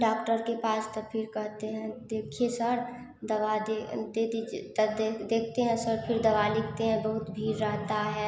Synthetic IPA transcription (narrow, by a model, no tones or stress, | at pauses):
ɖaːkʈəɾkepaːst̪əpʰɪɾkɐɦt̪eɦɛ̃d̪eːkʰiesəɾ | d̪ɐʋad̪ed̪ed̪id͡ʒt̪d̪d̪eːkʰt̪eɦɛ̃səɾpʰɪɾd̪ɐʋalɪkʰt̪eɦɛ̃bɐɦʊt̪bʱiːɾːəɦt̪aɦɛː